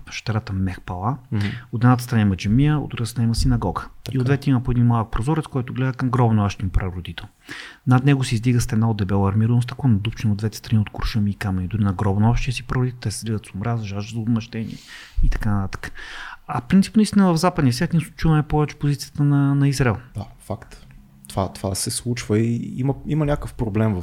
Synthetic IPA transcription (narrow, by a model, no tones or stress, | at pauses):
ʃt̪ɛɾat̪əmɛxpɐlˠaot̪ɛd̪nat̪əst̪ɾɐnaimɐd͡ʒɛmijəo̰d̪ɾuɡat̪st̪ɾnaiməsinɐɡɔɡəiod̪vɛt̪ɛimɐpoɛd̪inmalˠək̚pɾozɔɾɛt̪skɔjt̪ʊɡlɛd̪əkɐmɡɾɔbnɔʃt̪inpɾɐɾod̪it̪ɛlˠ | nɐd̪nɛɡʊsiizd̪iɡəst̪ɛd̪naod̪d̪ɛbɛlˠɐɾmiɾnost̪ɐkˠanɐd̪upt͡ʃɛnod̪vɛt̪ɛ̥st̪ɾɐniot̪koɾʃəmiːkamɛnʲid̪ʊɾinɐɡɾɔbnəɔʃt̪ijəsipɾɐɾʊd̪it̪ɛt̪ɛsɛ̥zlizət̪somɾazʒaʒd̪əzəob̪mɐʃt̪ɛnḭɛ̰ | it̪ɐ̥kanɐt̪at̪ə̥kə̥ɐfpɾinsi̥pnɐist̪inəvɐvzapəd̪niəsʲjat̪ʲinsut͡ʃinɛpɔvɛt͡ʃɛ̥pozit̪sijət̪ənɐnɐizɾɛlˠd̪afakt̪ | t̪ovat̪ovasɛslˠut͡ʃvəiimɐimɐnʲakəfpɾoblɛmvə